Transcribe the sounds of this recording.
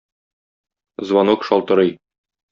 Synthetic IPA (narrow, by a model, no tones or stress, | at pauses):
zwɑnokʃɒlˠt̪ɤ̆ɾɤj